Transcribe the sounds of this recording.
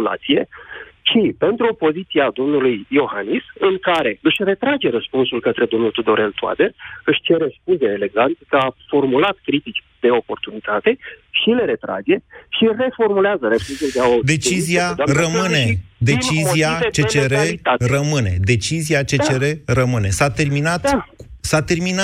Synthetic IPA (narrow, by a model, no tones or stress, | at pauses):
la̰t̪sije̞ʃipe̞nt̪ɾuopo̞zit̪siad̪o̞mnulujjo̞hanisɨŋkaɾe̞ɨʃʲre̞t̪ɾad͡ʒe̞ɾəspunsulkət̪ɾe̞d̪o̞mnult̪ud̪o̞ɾe̞lt̪ua̰d̪e̞rɨʃʲt͡ʃe̞ɾe̞spunzeele̞ɡant̪kəafo̞rmulat̪̚kɾit̪it͡ʃʲd̪e̞o̞po̞rt̪unit̪at̪e̞ʃile̞ɾe̞t̪ɾa̰d͡ʒe̞ʃire̞fo̞rmuleazəɾefuzeld̪eaod̪e̞t͡ʃizziaaɾəmɨne̞d̪et͡ʃiziat͡ʃet͡ʃeɾearəmɨne̞d̪e̞t͡ʃiziat͡ʃe̞t͡ʃeɾerəmɨne̞sat̪e̞rminat̪sat̪e̞rmina